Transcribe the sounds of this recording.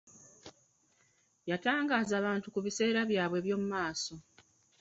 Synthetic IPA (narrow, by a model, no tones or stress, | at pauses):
jataːŋɡaːzaːβaːntukuβise̞ːɾaβjaːβwe̞ːβjo̞mumaːso̞